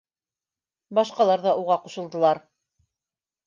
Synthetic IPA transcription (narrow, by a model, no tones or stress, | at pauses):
bɑʃqɑlˠɑɾðɑʔuʁɑquʃɤlˠd̪ɤ̆lˠɑɾ